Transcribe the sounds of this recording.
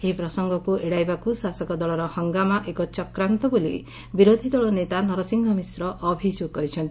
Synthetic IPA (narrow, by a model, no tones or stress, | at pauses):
epɾɔsɔŋɡɔkuʔeɽajbakusasɔkɔd̪ɔɭɔɾɔhɔŋɡamaʔekɔt͡ʃɔkɾant̪ɔbolḭ | biɾod̪ʱid̪ɔɭɔnet̪anɔɾɔsiŋɡʱɔmisɾɔʔɔbʱid͡ʒoɡ̚kɔɾit͡ʃʰɔnt̪i̥